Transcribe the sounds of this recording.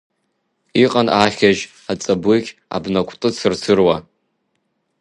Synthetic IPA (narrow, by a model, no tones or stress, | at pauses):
iqʼanaχʲaʒ | at͡sʼabɨkʲa̰bnakʷʰtʼɨt͡sʰɨrt͡sʰɨrwa